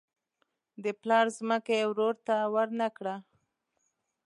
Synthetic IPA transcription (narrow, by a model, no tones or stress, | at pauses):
d̪əplɑɾzməkewɾoɾt̪awəɾnakɽa